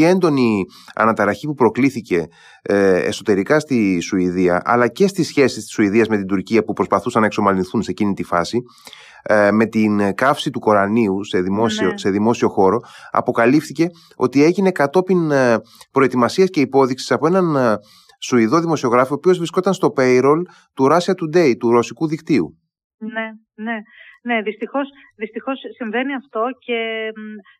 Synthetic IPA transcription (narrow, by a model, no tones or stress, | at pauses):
ie̞nd̪o̞ni | ɐ̰nɐt̪ɐɾɐçipupɾo̞kliθice̞ | ḛso̞t̪e̞ɾikɐst̪isuiðiɐʔɐ̰lɐce̞st̪isçe̞sist̪i̥suiðiɐzme̞t̪ind̪uɾciɐpupɾo̞spɐθusɐnːɐekso̞mɐlinθunse̞cinit̪ifɐsi | me̞t̪inkɐfsit̪uko̞ɾɐniuse̞ðimo̞sise̞ðimo̞sio̞xo̞ɾo̞ɐ̰po̞kɐlifθice̞ | o̞̰t̪ie̞ʝine̞kɐt̪o̞pinpɾo̞et̪imɐsiɐsce̞ipo̞ðiksi̥sɐpo̞e̞nɐn | suiðo̞ðimo̞sio̞ɣɾɐfioːpio̞zvɾisko̞t̪ɐnst̪o̞pe̞iɾo̞l | t̪uɾɐsiɐt̪ud̪e̞it̪uɾo̞sikuðikt̪iṵ | ne | nene̞ðist̪ixo̞s | ðist̪ixo̞sːiɱve̞niɐft̪o̞ce̞